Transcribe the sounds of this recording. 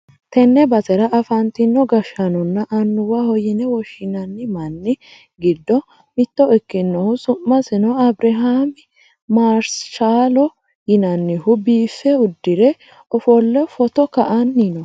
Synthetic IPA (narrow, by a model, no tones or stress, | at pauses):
t̪ɛnːɛbɐzɛɾɐʔɐfɐnt̪ɪnːɔɡɐʃːɐnɔnːɐʔɐnːʊwɐhɔjɪnɛwɔʃːɪnɐnːɪmɐnːɪ | ɡɪd̪ːɔ | mɪt̪ːɔɪkːɪnːɔhʊsʊmːɐsɪnɔɐbɾɛɦamɪ | maːɾsʃaːlɔ | jɪnɐnːɪhʊbiːfːɛʊd̪ːɪɾɛ | ɔfɔlːɛfɔt̪ɔkɐʔɐnːinɔ